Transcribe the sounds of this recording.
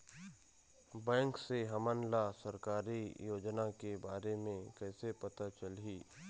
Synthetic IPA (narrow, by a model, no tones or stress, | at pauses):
bɛ̃ːŋkseɦɐmənlasɐɾkaːɾijoːd͡ʒnakebaːɾemẽkɛːsepɐt̪at͡ʃəlɦiː